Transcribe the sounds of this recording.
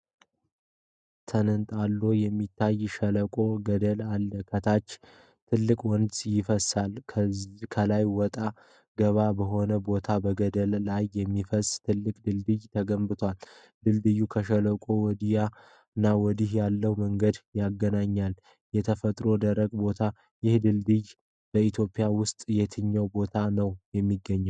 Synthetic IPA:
t̪ʰənənt̪ʼalːo̞jɛmːit̪ʰːajːʃələkʼo̞ɡəd̪əlalːəkʰət̪ʰat͡ʃː | t̪ʰɨlːɨkʼwɔnd̪sʼjɪfəsalkʰəzikʰəlajwɔt̪ʼa | ɡ̥əβabəɦo̞nəbo̞t̪ʰabəɡəd̪əlːajːɛmːifəsʼt̪ʰɨlːɨkʼd̪ɨld̪ɨjt̪ʰəɡəmbɨt̪ʰwal | d̪̥ɨld̪ɨjːukʰəʃələkʼowɔd̪ija | ɨnːawɔd̪ihjalːəwməŋɡəd̪jaɡːənaɲːal | jɛt̪ʰəfət̪ʼɾo̞d̪əɾəɡbo̞t̪ʰa | jɪhd̪ɨld̪ɨj | b̥əit̪ʰjo̞pʼɪjawʊst̪ʼjɛt̪ʰɨɲːəwbo̞t̪ʰanəwjɛmːiɡːəɲːəw

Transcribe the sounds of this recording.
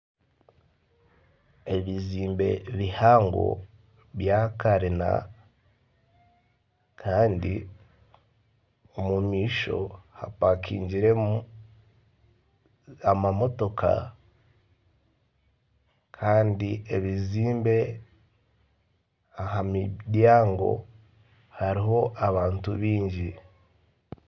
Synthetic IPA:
e̞βiziːmbe̞̰βihaːŋɡo̰ | βjakaɾina̰ | kʰaːndi | omumiːʃo̞̰ha̰pakʰḭːɲɟiɾe | amamo̞to̞kʰa̰ | kʰaːndieβiziːmbe̞ | aɦamidjaːŋɡo̞̰ | haɾiɦo̞ʔaβaːntuβiːɲɟi

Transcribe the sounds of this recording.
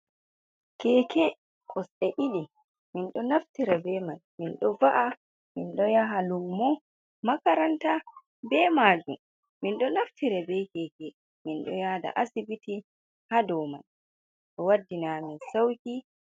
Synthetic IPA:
kɛːkɛ | kʰɔsɗɛʔiɗi | minɗɔnaftiɾɛbɛmanminɗɔvaʔa | minɗɔjaɦalumːɔ | makaɾanta | bɛmad͡ʒṵm | minɗɔnaftʰiɾɛbɛkɛkɛ | minɗɔjada̰ʔasibiti | hadɔma̰n | ɗɔwadːinaminsawki

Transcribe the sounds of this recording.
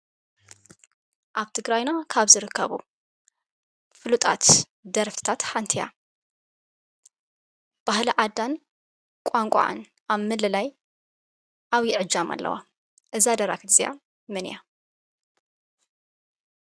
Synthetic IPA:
ʔaβt̪ʰɨɡɾajnakʰaβzɨɾɨkʰːɐβṵ | fɨlut̪ʼat̪ | d̪ɐɾft̪ʰɨ̥t̪ʰat̪ħant̪ʰija̰ | b̥ahlɐʕad̪ːan | kʷʼaŋkʷʼa̰ʔa̰n | ʔaβmɨlːɨlaj | ʔaβjɪʕɨd͡ʒːama̰lːɐ̰wa̰ | ʔɨzad̪ɐɾa̰kʰɨt̪zija̰ | mɨnja

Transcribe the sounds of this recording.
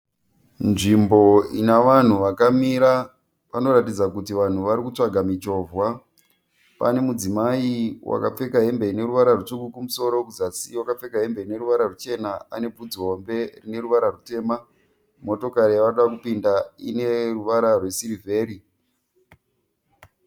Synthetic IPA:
nʐimbo̞inaʋan̤uʋakamiɾa | pano̞ɾatid͡zakutiʋan̤uʋaɾikut͡ʂaɡʱamit͡ʃo̞ːvwa | pane̞mud͡zimaiwa̰kap͡fe̞kaɦe̞mbe̞ine̞ruʋaɾarut͡ʂukukumuso̞ɾo̞kud͡zasiwakap͡fe̞kaɦe̞mbe̞ine̞ɾuʋaɾarut͡ʃe̞naane̞b͡vud͡ziɦo̞mbe̞rine̞ruʋaɾarute̞ːma | mo̞to̞kaɾijaʋaoɗakupindaḭne̞ruʋaɾarwe̞sirivʱe̞ːɾi

